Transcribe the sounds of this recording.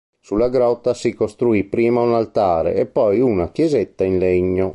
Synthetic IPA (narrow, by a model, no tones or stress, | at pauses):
sulːaɡɾɔt̪ːasikost̪ɾuipɾiːmaunalt̪aːɾḛːpːɔjunakjɛzɛt̪ːainlɛɲːo